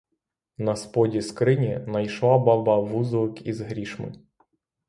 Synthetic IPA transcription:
nɐspɔdʲiskɾɪnʲinɐjʃlˠabɑbɑʋuzɔkizɦɾʲiʃmɪ̰

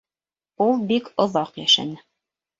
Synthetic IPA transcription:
ulˠbikŏðɑqjæ̰ʃæ̰nɘ

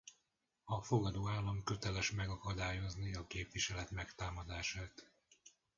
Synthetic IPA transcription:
ɒfo̞ɡɒd̪oːaːlːɒmkø̞t̪ɛlɛʃmɛɡɒkɒd̪aːjo̞zniɒkeːpʋiʃɛlɛt̪mɛkt̪aːmɒd̪aːʃaːt̪

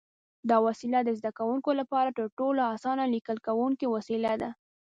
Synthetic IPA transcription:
d̪ɑwasilad̪əzd̪akawuŋkolapɑɾaʈəɾʈolaasɑnalikəlkawuŋkiwasilad̪a

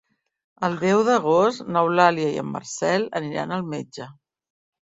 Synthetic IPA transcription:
əlˠd̪ɛwðəɣ̞ost̪nəwlaliəiə̰mːə̰rsɛləniɾa̰nəlˠmed͡ʒə

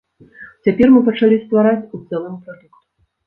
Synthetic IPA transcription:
t͡sʲapʲɛrmɨpɐt͡ʂalʲist̪vaɾat͡sʲut̪sɛlˠɨmpɾad̪ɛkt̪u̥

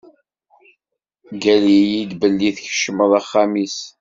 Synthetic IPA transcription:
ɡælijid̪bəlːiθçə̥ʃəməðˤaχːamis

